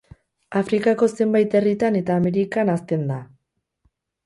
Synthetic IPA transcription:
afɾikako̞se̞mbajt̪e̞rit̪ane̞t̪aːme̞ɾikanast̪e̞nd̪a

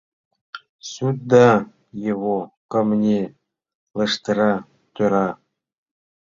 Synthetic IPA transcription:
sut̪̚d̪ɑ | jeβokɤ̆mnʲe | lɤ̆ʂt̪ɤ̆ɾɑ | t̪ʲøɾɑ

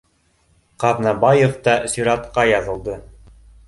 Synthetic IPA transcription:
qɑðnɑbɑjĕft̪ɑsyɾɑt̪qɑjɑðɤ̆lˠd̪ɤ

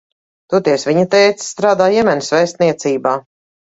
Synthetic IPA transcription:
t̪ut̪iɛsviɲat̪ɛjt̪sst̪ɾaːd̪aːjɛmɛnʲsvɛjst̪̚niɛt̪siːbaː

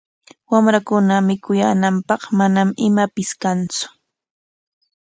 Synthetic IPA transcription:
wamɾakʊnamɪkʊjaːnampɑχmanamɪmapɪskant͡sʊ̥

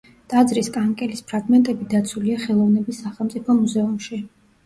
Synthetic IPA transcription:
d̪̥ʼad̪zɾiskʼaŋkʼɛlispʰɾaɡmɛnt̪ʼɛbid̪at̪sʰuliaχɛlˠɔvnɛbisːaχɛlˠmt̪sʼipʰɔmuzɛumʃi

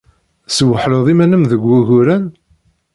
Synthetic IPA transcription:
swəħloðˤimænəmðəɡʷːuɣuɾæn

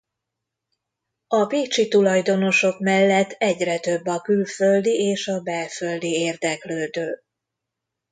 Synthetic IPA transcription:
ɒpiːt͡ʃit̪ulɒjd̪o̞no̞ʃo̞kmɛlːɛt̪ːɛɟrɛt̪ø̞bːɒkylfø̞ld̪ieːʃɒbɛfø̞ld̪ieːrd̪ɛkløːd̪øː

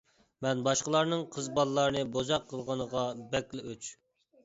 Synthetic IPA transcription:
mɛnbɑʃqəlˠɑɾnɨŋqʰəzbɑlˠːɑɾnɨbozɑqʰːəlˠʁɑnəʁɑbɛkʲlɪʔøt͡ʃ

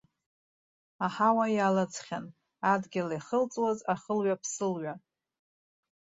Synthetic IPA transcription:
aħawajalɨt͡sʰʼχʲan | adɡʲɪliχəlt͡sʼwazaχəlɥapʰsɨlɥa

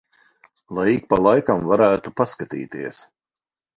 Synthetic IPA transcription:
lˠajik̚palˠajkamvaɾæːt̪upaskat̪ḭːt̪iɛs

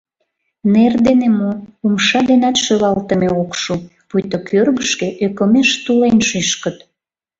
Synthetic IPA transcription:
nerd̪enemoumʃɑd̪enɑt̪ʃøβɑlt̪əmeokʃu | pujt̪okʰørɣəʃkeʔøkəmeʃt̪ulenʃyʃkət̪

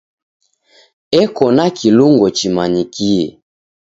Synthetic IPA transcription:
ɛkɔnakʰiluŋɡɔt͡ʃimanikiɛ̰

